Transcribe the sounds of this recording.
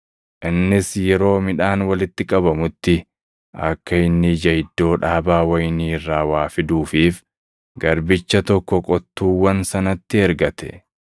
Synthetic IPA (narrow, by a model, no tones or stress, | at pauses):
ʔɪnːɪsjɛɾo̞ːmɪᶑaːnwɐlɪt̪ːɪkʼɐbɐmʊt̪ːɪ | ʔɐkːɐɪnːɪd͡ʒɐjɪd̪ːo̞ːᶑaːbaːwɐjniːrːaːwaːfɪd̪uːfiːf | ɡɐɾbɪt͡ʃːɐt̪ɔkːɔkʼɔt̪ːuːwːɐnsɐnɐt̪ːɪɛɾɡɐt̪ɛ̥̰